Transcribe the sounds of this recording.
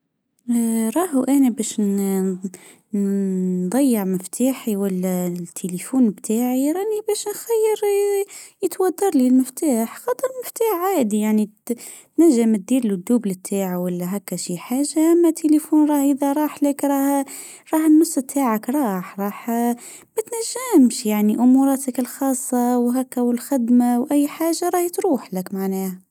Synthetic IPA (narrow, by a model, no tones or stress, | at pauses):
ɾˤɑːɦuʔænæbæʃn | nnd̪ˤɑjːəʕmɪft̪ʰaːħiwælːæt̪ʰːelifuːnbt̪ʰaːʕiɾˤɑnibæːʃnxæjːəɾ | jət̪wɑd̪ːɑɾˤlilməft̪aːħxɑt̪ˤəɾˤmɪft̪aːħʕaːd̪ijaʕni | t̪næʒːəmt̪̚d̪iːɾlud̪ːuːblət̪ʰːaːʕawælːæɦækːæʃiħaːʒːaʔæmːæt̪ʰːelefuːnɾˤɑːhʔəðæɾˤɑːħləkɾˤɑːh | ɾˤɑːhənːʊsˤːt̪ʰːaːʕakɾˤɑːħɾˤɑːħ | mæt̪næʒːæmʃjaʕniʔʊmuɾˤɑːt̪əkəlxɑːsˤːɑwɦækːæwəlxɪd̪mawʔæjːħaːʒːaɾˤɑːht̪ɾuːħləkmaʕnæːha